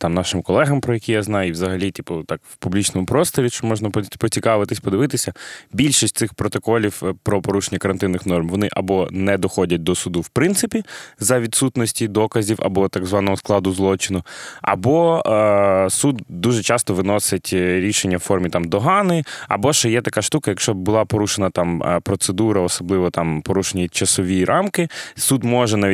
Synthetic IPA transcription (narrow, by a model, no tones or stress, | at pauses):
t̪ɑmnɑʃɪmkɔlˠɛɦɐmpɾɔjɛkʲijaznɑjʊiʋzɐɦɐlʲit̪ʲipʊt̪ɑkwpublʲit͡ʃnɔmʊpɾɔst̪ɔɾʲiʃt͡ʃɔmɔʒnɐppɔt͡sʲikɑʋɪt̪ɪsʲpɔd̪ɪʋɪt̪ɪsʲɐbʲilʲʃisʲt̪̚ʲɪxpɾɔt̪ɔkɔlʲiwpɾɔpɔɾuʃenʲːɐkɐɾɐnt̪ɪnːɪxnɔrmʋɔnɪʔɐbɔnɛd̪ɔxɔdʲɐt̚ʲd̪ɔsʊd̪uwpɾɪnt̪sɪpʲizɐʋʲit̪sut̪nɔsʲtʲid̪ɔkɐzʲiwɐ̰bɔt̪ɑɡzʋɑnɔɦɔsklˠɑd̪ʊzlˠɔt͡ʃɪnʊɐ̰bɔ | sud̪d̪uʒɛt͡ʃɑst̪ɔʋɪnɔsɪtʲɾʲiʃenʲːɐwfɔrmʲit̪ɑmd̪ɔɦɑnɪɐ̰bɔʃɛjɛt̪ɐkaʃt̪ukɐjɐkʃt͡ʃɔb̚bʊlˠɑpɔɾuʃenɐt̪ɑmpɾɔt̪sed̪uɾɐɔsɔblˠɪʋɔt̪ɑmpɔɾuʃenʲit͡ʃɐsɔʋʲijɾʔɑmkɪsud̪mɔʒɛna